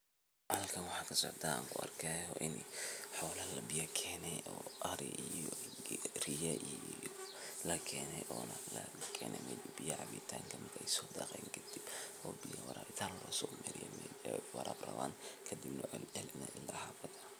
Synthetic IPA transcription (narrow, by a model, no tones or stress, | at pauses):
ʔɑlkʰɐnwɑħɑːkʰɐsɔʕd̪aːaːŋkʰʊɐrkʰɛhɔʔɪnħɔːlɐlɐbɪjɐkʰɛːnɛjʔɔːʔɐɾḭijjɔ | rijɐʔijlɐkʰɛːnɛjʔɔːnɐlɐkʰɛːnʔɛ̰mɛbijɐʕɑβḭt̪ʰaːŋkʰɐmɪkʰɐɛjsɔːd̪ɐqɛjŋkʰɐd̪̥ib̥ɔːbijɐwɐɾaːbɪt̪ʰaːnllɐsɔːmɛɾɪ̰jɛ̰mwɑɾʔaːbrɐ̰βaːnkʰɐd̪ibnɐʕɛlɛlnɛʔɪldɐhabɐd̪a